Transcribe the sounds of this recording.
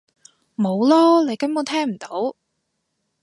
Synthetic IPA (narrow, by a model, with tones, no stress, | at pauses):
mo˨˧wlɔː˥le˨˧jkɐ˥mo˨˧˥t̪ʰɛː˥ŋm̩˨˩t̪o˨˥w